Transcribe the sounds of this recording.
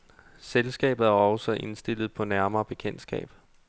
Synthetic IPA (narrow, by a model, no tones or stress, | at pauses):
selsɡ̥ɛ̰ːb̥ð̩ˠæɒ̽sɒʔe̝nsd̥e̝lð̞̩ˠpʰɒ̽næɐmɐːb̥e̝kʰen̰̥sɡ̥ɛ̰ːb̥